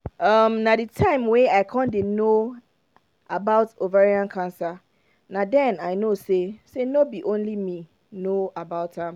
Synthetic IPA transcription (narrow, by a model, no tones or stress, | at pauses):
ʌmnãditʰãɪ̃mweaɪkʰɔ̃ndeno | abaʊtovaɹiãnkʰãnsa | nãdɛ̃naɪnosesenobiʔõnlimĩ | noabaʊtãm